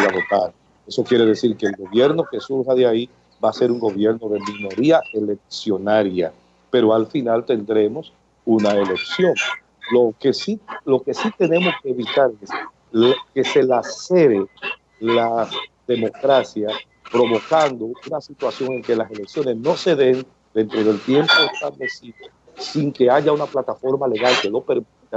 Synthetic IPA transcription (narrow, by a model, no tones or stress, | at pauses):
aβo̞t̪aɾ | e̞so̞kje̞ɾe̞ðe̞siɾke̞ːlɣo̞βje̞ɾno̞ke̞suɾɦaðjai | base̞ɾuŋɡo̞βje̞ɾno̞ðe̞mĩno̞ɾiae̞le̞k̚sjo̞naɾja̰ | pe̞ɾo̞alfinalt̪e̞nd̪ɾe̞mo̞s | unaeleksjo̞ŋ | lo̞kesilo̞ke̞sit̪e̞ne̞mo̞skeːβit̪aɾes | ke̞se̞laseɾe | laðe̞mo̞kɾasja | pɾo̞βo̞kand̪o̞unasit̪wasjo̞ŋe̞ŋke̞lase̞le̞ksjo̞ne̞sno̞se̞ðe̞n | d̪e̞nt̪ɾo̞ðe̞lt̪je̞mpo̞est̪aβle̞siðo | siŋke̞aʝaunaplat̪afo̞ɾmale̞ɣalke̞lo̞pe̞ɾmit̪a